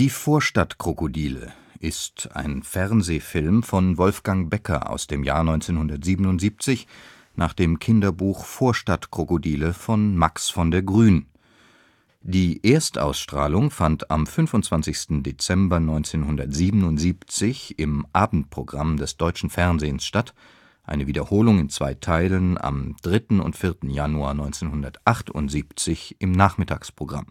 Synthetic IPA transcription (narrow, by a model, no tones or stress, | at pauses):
d̥iːfoːɐʃtatkʁ̥okodiːlə̰ | ʔɪsta̰ɪnfɛʁnzeːfɪlmfɔnvɔlfɡ̥aŋbɛkʰɐ̰ʔa̰ʊsd̥eːmja̰ːɐnɔ̃ʏnt͡seːnhʊndɐtz̥iːbənʊntz̥iːp̚t͡sɪç | nʔaːχd̥eːmkʰɪndɐbuːxfoːɐʃtatkʁ̥okodiːləfɔnmaksfɔndeːɐɡʁyːn | d̥iːʔeːɐstʔa̰ʊsʃtʁ̥a̰ːlʊŋfanta̰mfʏnfʊntt͡sv̥ant͡sɪçstn̩det͡sɛmbɐnɔʏnt͡seːnhʊndɐtz̥iːbənʊntz̥iːpt͡sɪçɪmʔaːbm̩t̚pʁ̥oɡʁamdɛsd̥ɔʏt͡ʃn̩fɛɐnzeːənsʃtat | ʔaɪnəviːdɐhoːlʊŋɪnt͡sv̥a̰ɪtʰaɪləna̰md̥ʁɪtn̩ʊ̰ntfɪɐtn̩januaːɐnɔʏnt͡seːnhʊndɐtʔaχtʊ̰ntz̥iːpt͡sɪçʔɪmnaːχmɪtʰa̰ːkspʁ̥oɡʁa̰m